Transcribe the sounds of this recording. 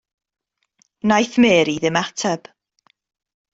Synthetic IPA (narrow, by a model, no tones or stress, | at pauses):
najθmeːɾiðɪmatʰɛb̥